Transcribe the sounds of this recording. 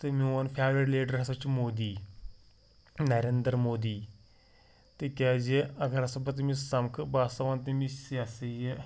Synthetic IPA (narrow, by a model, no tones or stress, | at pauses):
t̪emiɐnpʰaːmɾiɖleːɖəɾɦɐst͡ʃmoːd̪iː | nɐɾeːnd̪ɾmoːd̪iː | t̪ekʲaːd͡ʒeɐɡɐɾɐsɐbɐt̪̬imisɐmkʰbaːst̪ɐʋaːnt̪imisaseje